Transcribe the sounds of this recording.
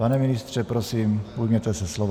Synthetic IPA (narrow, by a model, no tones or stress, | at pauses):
panɛminist̪t͡ʃɛpɾɔsiːmbuɟmɛt̪ɛsaslɔʋ